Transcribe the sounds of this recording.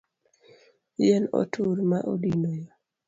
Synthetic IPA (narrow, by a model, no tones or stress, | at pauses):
jɛno̰tʰuɾmaʔodinojɔ